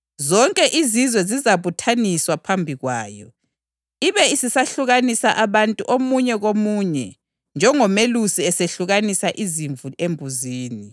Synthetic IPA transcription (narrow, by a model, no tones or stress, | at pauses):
zɔŋkʼɛʔizizwɛzizaβutʰaniswapʰambʱiɣwaːjɔ̰ | iβɛisisaɬuɣanisaʔaβantʼuʔomuɲɛɣomuːɲɛ | nd͡ʒʱɛŋɔmelusiɛseɬuɣanisaʔiziɱvuembʱuziːni